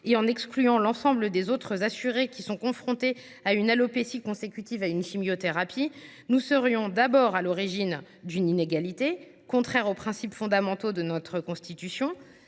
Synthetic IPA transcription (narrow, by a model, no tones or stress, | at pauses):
eɑ̃nɛksklyɑ̃lɑ̃sɑ̃bləd̪ezot̪χəzasyʁekʲisɔ̃kɔ̃fχɔ̃t̪e | aynalopesikɔ̃sekʲyt̪ivaynʃimjot̪eʁapʰi | nusəʁjɔ̃d̪abɔʁalɔʁiʒin | d̪ynineɡalit̪e | kɔ̃t̪χɛʁopχɛ̃sipfɔ̃d̪amɑ̃t̪od̪ənɔt̪χəkɔ̃st̪it̪ysjɔ̃